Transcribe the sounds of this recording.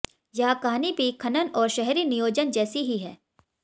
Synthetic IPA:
jɐɦakaɦaːnibʱikʰɐnənɔːɾʃɛɦɛɾinijoːd͡ʒənd͡ʒɛːsiɦiɦɛː

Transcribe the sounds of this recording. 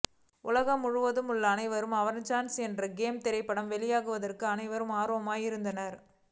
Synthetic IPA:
ʊlɐɣɐmʊɻʊʋɐðɯmʊɭːɐːnɐɪʋɐɾɯmɐʋɐnt͡ʃaːnsɛndrɐɡeːmt̪ɛɾɐɪpːɐɽɐmʋɛlɪjaːɣɯʋɐðɐrkɯɐnɐɪʋɐɾɯmaːɾoːɐmaːjɪɾɯnd̪ɐnɐɾ

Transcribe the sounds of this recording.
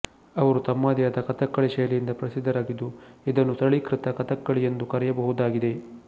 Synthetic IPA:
ɐʋɐɾut̪ɐmːaːd̪jɐd̪ɐkɐt̪ɐkːɐɭiʃɐjlijind̪ɐpɾɐsid̪ʱːɐɾaːɡid̪ːuid̪ɐnːut̪ɐɭikɾit̪ɐkɐt̪ɐkːɐɭijend̪ukɐɾɛjɐbɐɦud̪aːɡid̪e̞

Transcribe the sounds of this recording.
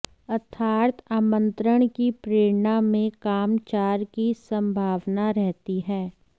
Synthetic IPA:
ɐt̪ʰaːɾt̪aːmə̃nt̪ɾəɽ̃kipɾeːɾnamẽkaːmt͡ʃaːɾkisə̃mbʱaːʋnaɾɛɦt̪iɦɛː

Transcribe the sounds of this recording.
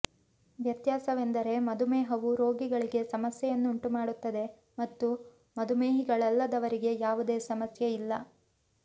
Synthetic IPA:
ʋjɐt̪jaːsɐʋe̞nd̪ɐɾe̞mɐd̪umeːɦɐʋuɾo̞ːɡiɡɐɭiɡe̞sɐmɐsjɛjɐnːuuɳʈumaːɽut̪ːɐd̪e̞ | mɐt̪ːu | mɐd̪umeːɦiɡɐɭɐlːɐd̪ɐʋɐɾiɡe̞jaːʋud̪e̞ːsɐmɐsjeilːɐ

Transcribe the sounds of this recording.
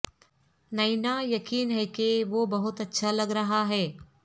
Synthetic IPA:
nɐɪnajɐkiːnɦɛkeʋoːbɐɦʊt̪ɐtːʃʰalɐɡɾɐɦaɦɛː

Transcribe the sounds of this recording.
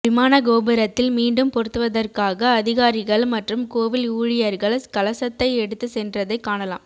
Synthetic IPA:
ʋɪmaːnɐɡoːbɐɾɐt̪ːɪlmiːɳɖɯmpɔɾɯt̪ːɯʋɐðɐrkaːɣɐːðɪɣaːɾɪɣɐɭmɐʈrɯmkoːʋɪluːɻɪjɐɾɣɐɭskɐlɐsɐt̪ːɐɪɛɽɯt̪ːɯsɛndrɐðɐɪkːaːɳɐla̰ːm

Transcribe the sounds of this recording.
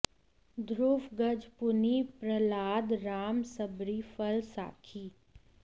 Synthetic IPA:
d̪ʱɾuːfɡɐd͡ʒpʊnipɾəlaːd̪ɾaːmsəbɾiːfəlsa̰ːkʰiː

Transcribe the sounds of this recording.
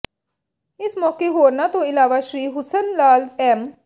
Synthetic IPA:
ɪsmɔːkeɦoːɾnat̪õɪlaːʋaːʃɾiːɦʊsənlaːlɛːm

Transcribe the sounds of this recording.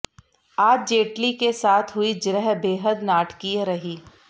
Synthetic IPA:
aːd͡ʒd͡ʒeːʈlikesaːt̪ʰɦʊid͡ʒɾəɦbeːɦəd̪naːʈkiɾɐɦiː

